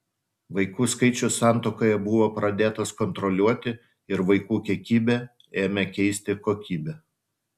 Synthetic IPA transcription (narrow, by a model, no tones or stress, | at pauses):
ʋɐɪkuːskɐɪt͡ʃʲʊsɑˑnt̪oːkoːjɛbʊʋoːpɾɐd̪ʲeːt̪ɐskɔnt̪ɾɔlʲuɔt̪ʲɪ | ɪɾʋɐɪkuːkʲiɛkʲiːbʲɛ | eːmʲɛkʲɛɪsʲt̪ʲɪkoːkʲiːbʲɛ